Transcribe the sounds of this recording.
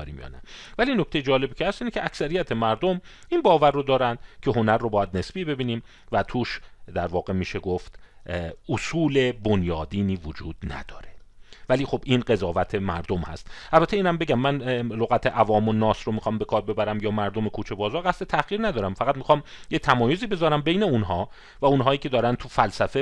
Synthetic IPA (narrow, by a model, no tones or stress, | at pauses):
ɾḭːmjɒ̰ːnævæliːnocʰt̪ejed͡ʒɒːle̞bicʰehæst̪iːnecʰeʔæksæɾijæt̪ʰe̞mæɾd̪omiːnbɒːværːod̪ɒːɾænd̪̥cʰe̞ɦo̞næɾːobɒːjæd̪ne̞sbiːbe̞biːniːm | væt̪ʰuːʃd̪æɾvɒːɣe̞miːʃeɡoft̪ | osuːle̞bonjɒːd̪iːniːvod͡ʒṵːd̪̥næ̰d̪̥ɒːɾevæliːxo̞b̥ʔiːnɢe̞zɒːvæt̪ʰe̞mæɾd̪o̞mhæ̰st̪ʔælbæt̪ʰːeiːnhæmbe̞ɟæmːænloɣæt̪ʰeʔævɒːmonɒːsɾomixɒːmbekʰɒːɾbe̞bæɾæmjɒːmæɾd̪o̞me̞kʰuːt͡ʃʰe̞bɒːzɒːɾɣæst̪et̪ʰæɣ̥iːɾnæd̪ɒːɾæmfæɣæt̪mixɒːmjet̪ʰæmɒːjoziːbe̞zɒːɾæmbe̞jne̞unɦɒː | væunɦɒːjiːcʰe̞d̪ɒːɾænt̪ʰufælsæfe